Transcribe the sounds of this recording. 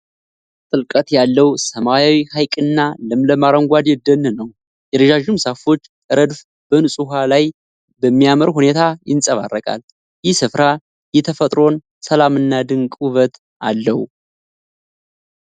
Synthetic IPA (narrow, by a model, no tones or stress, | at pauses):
t̪ʼɨlkʼət̪jalːəwsəmajawihajkʼɨnːalɨmləmaɾəŋɡʷad̪jɛd̪ənːnəw | jɛɾəʒaʒumsafo̞t͡ʃːt̪ʼəɾəd̪f | b̥ənɨsʼuɦalaj | bəmːijaməɾhune̞t̪ʰajɪ̰nsʼəβa̰rːəkʼa̰l | jɪhsɨfɾa | jɛt̪ʰəfət̪ʼɾo̞n | səlamɨnːad̪ɨŋkʼuβət̪ʰ | alːəwu